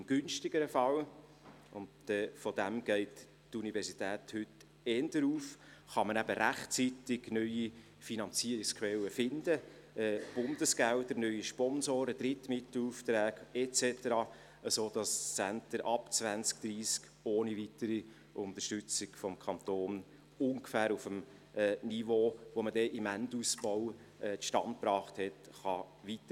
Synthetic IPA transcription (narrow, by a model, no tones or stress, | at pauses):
ɪmɡ̥ʏnʃtɪɡəɾəfɑl | ʊndɛːfɔd̪æmɡ̥ɛɪt | tunivɛɾsitæːthʏt | ɛndəɾuːfχɑmənæbəɾæχt͡sitɪɡnœʏi | finɑnt͡siəɾɪkskʋɛlːəfɪnd̥̪ə | ɛːb̥ʊnd̥̪əsɡ̥æld̪əɾnœʏiʃpɔnsoːɾəd̥ɾɪt̪mɪt̪l̩uft̪ɾæːɡɛt͡sɛtəɾɑ | əsoːd̥ɑst͡sæntəɾʔɑpt͡sʋænt͡sk̚d̥ɾiːsk | oːnivitəɾi | ʔʊnt̪əʃtʏt͡sɪɡ̥fɔmkʰɑnt̪oːn | ʊŋɡfæːɾufəm | ɛːnivoːʋomədɛʔɪmæntusbɔw | ɛʃtɑnt̚pɾɑːχthɛtχɑ | ʋitə